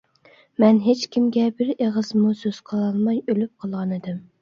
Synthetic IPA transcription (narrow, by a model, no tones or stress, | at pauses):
mɛnɦet͡ʃkʲimɡʲɛbɪɾeʁəzmusøz̥qʰəlˠɑnmɑjølyp̚qʰəlˠʁɑnɨd̪ɪm